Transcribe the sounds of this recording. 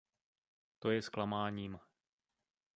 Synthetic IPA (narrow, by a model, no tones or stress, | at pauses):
t̪o̞jɛsklamaːɲiːm